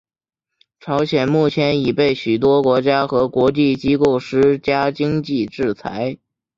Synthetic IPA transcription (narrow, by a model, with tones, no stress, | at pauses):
ʈ͡ʂʰɑ˧˥ʊɕjɛ˨˩nmu˥˩t͡ɕʰjɛ˧˥ni˨˩pe˥˩ɪɕy˨˩t̪̬wɔ˥kwɔ˧˥t͡ɕja˥xɤ˧˥kwɔ˧˥t͡ɕi˥˩t͡ɕi˥ko˥˩ʊʂɻ̩˥t͡ɕja˥t͡ɕi˥ŋt͡ɕi˥˧ʈ͡ʂɻ̩˥˩t͡sʰa̰˧˥ɪ